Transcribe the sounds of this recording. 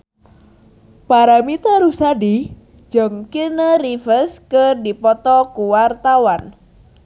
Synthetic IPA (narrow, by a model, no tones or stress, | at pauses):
paɾamit̪aɾusadi | d͡ʒəŋkinəɾifəskədipɔt̪ɔkuwart̪awan